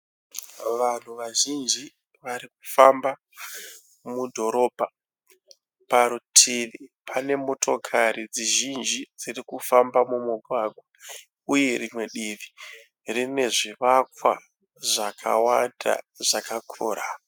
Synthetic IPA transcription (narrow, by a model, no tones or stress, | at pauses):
ʋan̤uʋaʒind͡ʒi | ʋaɾiku̥famba | mudʱo̞ɾo̞bʱa | paɾutʰinipʰane̞mo̞tʰo̞kʰaɾid͡ziʒind͡ʒid͡zirikufambamumuɡʱwaɡʱwa | uje̞ɾimwe̞ɗiʋi | rine̞ʐiʋakwa̰ | ʐakʰa̰wanda̰ʐ̥akakʰo̰ːɾa